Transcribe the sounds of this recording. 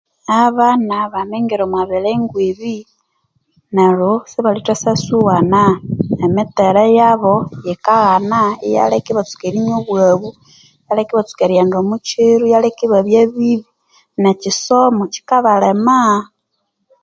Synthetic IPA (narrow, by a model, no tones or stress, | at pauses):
aβanaβameŋɡiɾomwaβeleŋɡweβi | neɾosiβalitasasuwanaemiteɾejaβojekaɣanaija̰lekiβat͡su̥keɾiɲoβwaβu | jalekiβat͡su̥keɾjendomut͡ʃiɾujalekiβaβjeβiβi | nat͡ʃisomot͡ʃi̥kaβalema